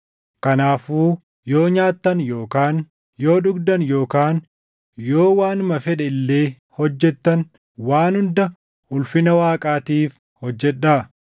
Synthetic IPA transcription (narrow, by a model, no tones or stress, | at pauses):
kɐnaːfuː | jo̞ːɲaːt̪ːɐnjo̞ːkaːn | jo̞ːᶑʊɡd̪ɐnjo̞ːkaːn | jo̞ːwaːnmɐfɛᶑɛɪlːe̞ː | hɔd͡ʒːɛt̪ːɐn | waːnhʊnd̪ɐ | ʊlfɪnɐwaːkʼaːt̪iːf | hɔd͡ʒːɛᶑːaː